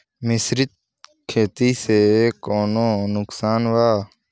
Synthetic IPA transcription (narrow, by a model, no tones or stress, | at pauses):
mɪsɾɪt̪̚ | kʰeːt̪iːseːkoːnõːnʊksaːnʋaː